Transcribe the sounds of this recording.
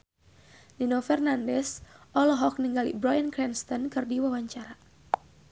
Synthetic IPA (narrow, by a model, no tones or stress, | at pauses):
ninɔfɛrnandɛsʔɔlɔɦɔk̚niŋɡalḭbɾɔjənkɾɛnst̪ɔnkɨrdiwawaɲt͡ʃaɾa